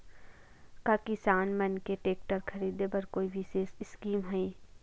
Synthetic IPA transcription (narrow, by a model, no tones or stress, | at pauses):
kakɪsaːnmɐnkeʈeːk̚ʈəɾkʰɐɾiːd̪ebɐɾkoːibʱiseːsɪskiːmɦoi